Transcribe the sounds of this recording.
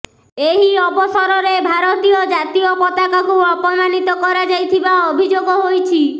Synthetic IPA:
eɦiɔbɔsɔɾɔɾebʱaɾɔt̪ijɔd͡ʒat̪iopɔt̪akakuɔpɔmanit̪ɔkɔɾad͡ʒajt̪ʰibaobʱid͡ʒoɡɔɦojt͡ʃʰi

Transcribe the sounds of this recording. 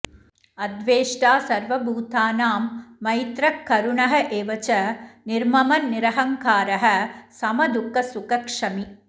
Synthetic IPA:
ɐd̪ʋeːʂʈaːsɐɾʋɐbuːt̪ʰaːnaːmːɐjt̪ɾɐkːɐɾuɳɐɦɐʔeːʋɐt͡ʃɐniɾmɐmɐnnːɪɾɐɦɐŋkaːɾɐɦɐsɐmɐd̪ukːɐsukɐkʂɐmi

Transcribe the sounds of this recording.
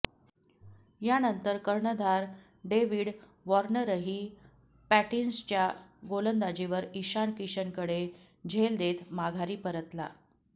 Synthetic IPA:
janənt̪əɾkəɾɳəd̪ʱaɾ | ɖeʋiːɽ | ʋɔɾɳəɾəɦiː | pæʈinst͡ɕjaɡolənd̪ad͡ʑiʋəɾiɕankiɕənkəɽe | d͡ʑʱeld̪et̪maɡʱaɾiːpəɾət̪la̰

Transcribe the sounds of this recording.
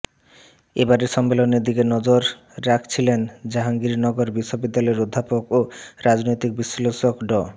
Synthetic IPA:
ebaɾeɾʃɔmːeloneɾd̪ikenɔd͡ʑoɾː | akʰt͡ɕʰilend͡ʑaɦaŋɡiɾnɔɡoɾbiʃːobid̪ːalɔeɾod̪ʱːapokoɾad͡ʑnojt̪ik̚biʃloʃokɖɔ

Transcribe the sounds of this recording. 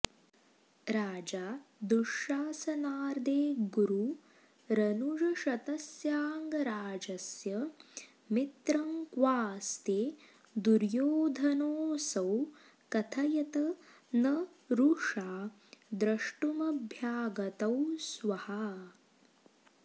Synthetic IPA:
ɾaːd͡ʒaːd̪uʂaːsɐnaːɾd̪eːɡuɾu | ɾɐnuʐɐʃɐt̪ɐsjaːŋɡɐɾaːd͡ʒɐsjɐ | mit̪ɾɐŋkʋaːst̪eː | d̪uɾjoːd̪ʱɐnoːsɐw | kɐt̪ʰɐjɐt̪ɐ | nɐ | ɾuʂaː | d̪ɾɐʂʈumɐbʱjaːɡɐt̪ɐwsʋɐhɐ

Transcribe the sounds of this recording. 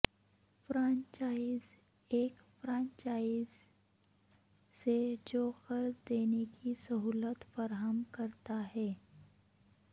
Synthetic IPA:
fɾãɲt͡ʃaːɪz | eːk | fɾãːɲt͡ʃaːɪz | sed͡ʒoːxəɾsd̪eːnekisəɦuːlət̪fəɾɦəmkɐɾt̪aɦɛː

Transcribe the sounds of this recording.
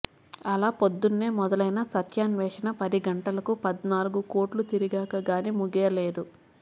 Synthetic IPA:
ɐlaːpo̞d̪ːunːe̞ːmɔd̪ɐlɐjnɐsɐt̪jaːnʋɛːʂɐnɐpɐd̪iɡɐɳʈɐlɐkupɐd̪naːluɡuko̞ːʈlut̪iɾiɡaːkɐɡaːnimuɡɛːleːd̪u

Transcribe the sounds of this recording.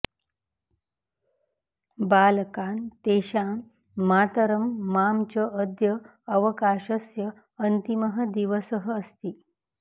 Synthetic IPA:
balkant̪eɕamː | at̪əɾəmːamt͡ɕəːd̪jəː | ʋəkaɕəsjəː | nt̪iməɦəd̪iʋəsəɦəːst̪iː

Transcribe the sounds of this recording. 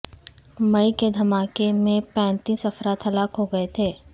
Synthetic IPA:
mɐiked̪ʱɐmaːkemẽpɛ̃ːnt̪iːsɐfɾaːt̪ʰɦɐlaːkɦoɡɐet̪ʰeː

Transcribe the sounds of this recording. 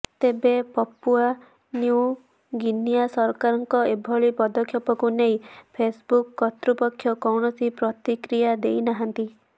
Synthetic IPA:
t̪ebepɔpːua | nju | ɡinijasɔɾkaɾɔŋkɔebʱɔɭipɔd̪ɔkʰjɔpɔkunejpʰesbukːɔt̪ɾupɔkʰːjɔkɔwnɔsipɾɔt̪ikɾijad̪ejnaɦant̪i

